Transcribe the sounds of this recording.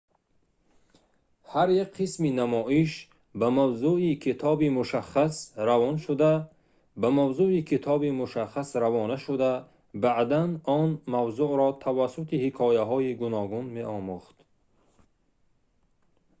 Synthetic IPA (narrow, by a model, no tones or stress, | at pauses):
haɾjakqʰisminamɔʔiʃ | bamavzuikʰit̪ʰɔbimuʃaχːasɾavɔnʃud̪a | bamavzuikʰit̪ʰɔbimuʃaχasɾavɔnaʃud̪a | baʔd̪anɔnmavzuʔɾɔt̪ʰavasːut̪ihikʰɔːjaɦɔiɡunɔɡunmeʔɔmuχt̪